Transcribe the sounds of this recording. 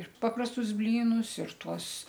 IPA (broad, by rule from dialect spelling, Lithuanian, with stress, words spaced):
ɪr ˈpɑːprɐstʊs ˈbʲlʲiːnʊs ɪr ˈtuɔs